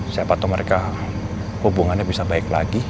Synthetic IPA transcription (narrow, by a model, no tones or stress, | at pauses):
siapat̪ʊməɾeka | hubuŋanɲabisabaɪk̚la̰ɡi